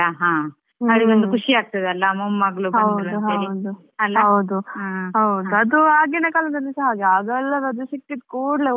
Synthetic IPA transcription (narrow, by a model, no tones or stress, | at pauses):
ɐɦãː | ɐɽiʋond̪ukʰuʂiaːɡ̚t̪ɐd̪eɐlːɐmɐmːɐɡɭuɦɐdw̪ɾuɦɐɾd̪u | ɐlːɦɐɐwd̪uãɦɐwd̪uɐd̪uaːɡenekaːlɐnd̪ɐnːisɐɦaːɡeaːɡɐlːɐɾɐd̪usik̚ʈːid̪koːɽle